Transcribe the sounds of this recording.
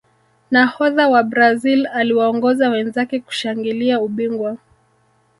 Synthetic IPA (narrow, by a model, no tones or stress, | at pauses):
nahɔðawabɾazilaliwaɔŋɡɔzawɛnzakɛku̥ʃaŋɡiliauɓiŋɡwa